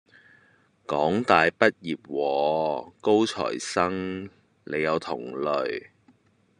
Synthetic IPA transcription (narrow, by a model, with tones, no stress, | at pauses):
kɔː˨˥ŋt̪aː˨jpɐ˥t̚jiː˨˩p̚wɔː˨˧ko˥wt͡ʃʰɔ̰ː˨˩jsɐ˥ŋ | ne˨˧jɐ˨˧wt̪ʰʊ̰˨˩ŋlɵ˨ɥ